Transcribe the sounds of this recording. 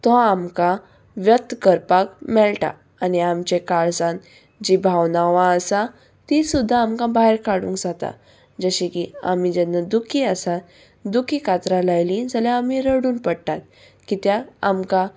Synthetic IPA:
t̪ɔamka | ʋjət̪ːkəɾpakmɛɭʈa̰ | aniamt͡ɕekaɭsãn | d͡ʑibʱaʋnaʋãəsa | t̪isud̪ʱːaːmkãbaɦeɾkaɽṵ̃ːŋkd͡zat̪a̰ | d͡zəɕikia̰mid͡ʑɛnːad̪ukʰiəsat̪ | d̪ukʰikat̪ɾalajlĩd͡zaljãːmiɾəɽuːnpəɽʈat̪̚ | kit̪jaːmka

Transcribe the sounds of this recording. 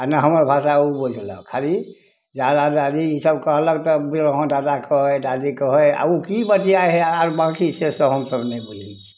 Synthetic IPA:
anaɦəməɾbʱasaubud͡ʒʱlə̰kʰali | d͡ʒad̪adad̪iisəbkəɦləɡt̪ɔbilɦɔ̃d̪aːd̪akəɦod̪ad̪ikəɦoea̰ukibət̪iaɦɛaɾbãkisesəɦəmsəbnebud͡ʒʱit͡ʃʰi̥

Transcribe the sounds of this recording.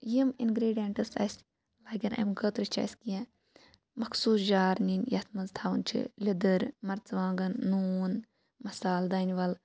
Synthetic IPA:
jiminɡɾeːɖijeɳʈɨsɐ̰s | laːɡɐnʔɐ̰mɡəːt̪ɾit͡ʃʰɐ̰skijã | mɐkʰsuːsd͡ʒaːɾninjɐt̪ʰmɐzt̪ʰaːʋɐnt͡ʃʰḭlʲid̪əɾmɐɾt͡sʋãːŋɡɐnːuːn | mɐsaːld̪aːniʋɐl

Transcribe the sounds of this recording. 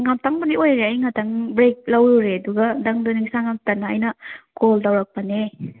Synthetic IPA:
ŋamtaŋbɐniojɾeɐjŋatʰɐŋbɾek̚lɐwɾuɾeɐduɡɐdɐŋdoniŋisaŋamtɐnːaɐjnɐkʰoldɐwɾɐk̚pɐne

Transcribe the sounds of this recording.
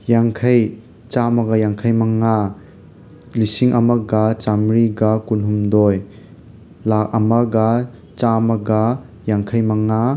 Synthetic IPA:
jaŋkʰaj | t͡ʃamɐɡɐjaŋkʰajmɐŋa | lisiŋʔɐmɐɡat͡ʃamɾiɡakulɦumdɔj | lak̚ɐmɐɡa | t͡ʃamɐɡa | jaŋkʰajmɐŋa

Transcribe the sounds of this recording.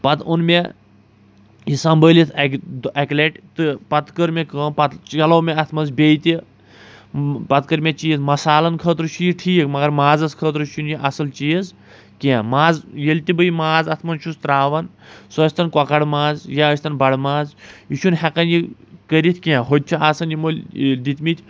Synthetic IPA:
pɐt̪ʰunmʲe | jisɐmbəːlʲit̪ʰɐkd̪ɐkleʈt̪ɨpɐt̪kəɾmʲekəːnpɐt̪ɐloːmeɐt̪ʰmɐnzbʲejt̪i | pɐt̪̚kəɾmʲet͡ʃiːzmɐsaːlɐnkʰəːt̪ɾɨt͡ʃʰiʈʰiːkmɐɡɐɾmaːzɐskʰəːt̪̬ɾɨʃunjiʔɐsɐlt͡ʃiːz | kʲẽmaːzjelʲt̪ʲibəjimaːzɐt̪ʰmɐnʃʰust̪ɾaːʋɐn | sɐsʲt̪ɐnkɔkɐɽmaːzjaəsʲt̪ɐnbɐɽmaːzjiʃʰunhɛkɐnjikəɾʲit̪ʰʲkʲẽɦod̪̚ʲt͡ʃʰiaːsɐnjimolʲd̪it̪ʲmit̪ʲ

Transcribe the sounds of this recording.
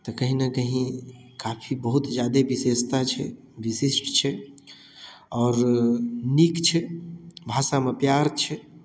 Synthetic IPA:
t̪ɔkəɦĩnekəɦĩ | kaːpʰibəɦut̪d͡ʒjaːd̪ebisest̪at͡ʃʰɛ̰ | ʋisisʈt͡ʃʰɛ | ɔːɾ | nikt͡ʃʰɛbʱaːsamepjaːɾt͡ʃʰɛ

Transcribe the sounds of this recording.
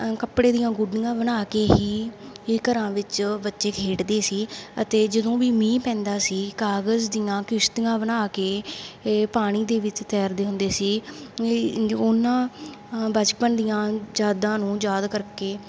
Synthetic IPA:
kəpɽeːd̪ɪjãːɡʊɖːɪjãːbənaːkeːɦiːkəɾãːʋɪt͡ʃbətːʃeːkʰeːʈd̪eːsiːət̪eːd͡ʒəd̪õːʋiːmĩːpɛ̃ːnd̪aːsiːkaːɡəzd̪ɪjãːkɪʃt̪ɪjãːbənaːkeː | paːɽ̃iːd̪eːʋɪt͡ʃt̪ɛːɾd̪eːɦʊ̃nd̪eːsiː | ʊnãː | bət͡ʃpənd̪ɪjãːd͡ʒaːd̪ãːnũːd͡ʒaːd̪kəɾkeː

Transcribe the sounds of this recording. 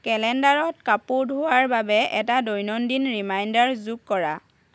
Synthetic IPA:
kɛlɛndaɹɔt̚kapʊɹdʱʊwaɹbabɛʔɛtadojnɔndinɹimajndaɹzukkːɔɹa

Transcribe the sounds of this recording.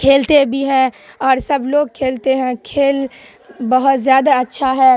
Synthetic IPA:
kʰeːlt̪ebʱiɦɛ̃ɔːɾsɐbloːɡ̚kʰeːlt̪eɦɛ̃kʰeːl | bɐɦʊt̪zjaːd̪aɐtːʃʰaɦɛː

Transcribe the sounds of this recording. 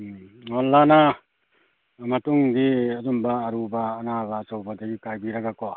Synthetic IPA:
ɔlːana | mɐtuŋdiɐzumbaːɾubaːnabasawbadaɡikajbiɾaɡako

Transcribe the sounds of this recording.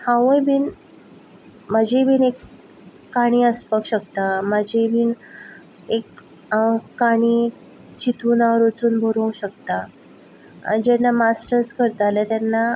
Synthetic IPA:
hãʋə̃jbʱiːn | məd͡ʑʱebʱiːnekː | aɽ̃iːəspəkɕəkt̪aməd͡ʑʱebʱiːn | ekː | aɽ̃i | t͡ɕit̪uːnaɾot͡suːnbʱoɾõwɕəkt̪a | a̰d͡ʑɛnːamasʈəɾskəɾt̪alat̪janːa

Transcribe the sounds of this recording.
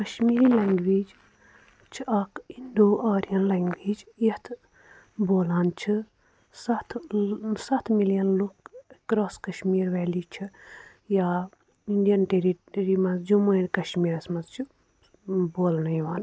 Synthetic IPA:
kɐʃmiːɾileŋɡʋiːd͡ʒ | t͡ʃʰiɐkinɖoːʔɐːɾijɐnleŋɡʋiːd͡ʒit̪ʰ | boːlaːnt͡ʃʰi | sɐt̪ʰsɐt̪ʰmilijɐnlukkɾoːskɐʃmiːɾʋɛːliːt͡ʃʰi | jaː | iɳɖijɐnʈeɾiʈɾimɐzd͡ʒumunkɐʃmiːɾɐsmɐzt͡ʃʰi | boːlnɐjʋaːn

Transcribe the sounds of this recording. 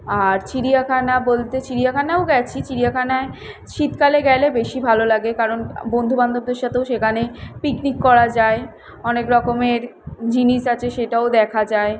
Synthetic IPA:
aɾt͡ɕʰiɾijakʰanabolt̪et͡ɕʰiɾijakʰanaoɡɛt͡ɕʰit͡ɕiɾijakʰanae | ʃit̪kaleɡɛlebeʃibʱalolaɡekaɾonbond̪ʱuband̪ob̚d̪eɾʃat̪eoʃekʰanepiknikːɔɾad͡ʑae | ɔnekɾɔkomeɾd͡ʑiniʃat͡ɕʰeʃeʈaod̪ɛkʰad͡ʑae

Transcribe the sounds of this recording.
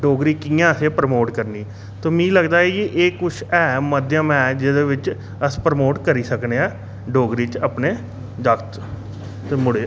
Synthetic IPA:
ɖoːɡɾiːkiːjãːəseːpɾəmoːʈkəɾniː | t̪oːmĩːləɡd̪aːɛkiʔeːkʊt͡ʃʰɛːməd̪jãːmɛ̃ːd͡ʒɪd̪eːʋɪt͡ʃ | əspɾəmoːʈkəɾiːsəkneːɛː | ɖoːɡɾiːt͡ʃəpneː | d͡ʒ̪əkt̪ː | mʊɽe

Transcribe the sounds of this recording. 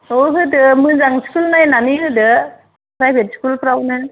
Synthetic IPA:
oɦɯdɯmɯzaŋskulnajnaniɦɯdɯ | pʰɾajbʱet̚skulpʰɾawnɯ

